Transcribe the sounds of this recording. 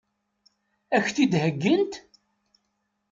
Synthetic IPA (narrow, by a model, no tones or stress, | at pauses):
æçθid̪həɡːənt̪